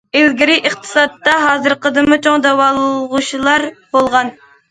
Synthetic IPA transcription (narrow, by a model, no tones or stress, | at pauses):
elɡʲiɾɪʔɨχt̪ʰɨ̥sɑt̪ːɑɦɑːzɨɾqəd̪ɨmɨt͡ʃʰoŋd̪ɛwɑlˠɨlˠʁuʃilˠɑɾb̥olˠʁɑn